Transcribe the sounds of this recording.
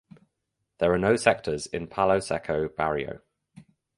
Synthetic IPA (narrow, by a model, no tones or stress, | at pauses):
ðəɹənəʊsɛk̚tʰəzɪ̰̃npʰaləʊsɛkʰəʊb̥aɹiə̰ʊ